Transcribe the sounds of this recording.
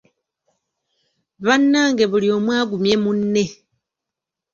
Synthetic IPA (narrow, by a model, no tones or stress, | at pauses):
βanːaːŋɡe̞βulio̞ːmwaːɡumje̞munːe̞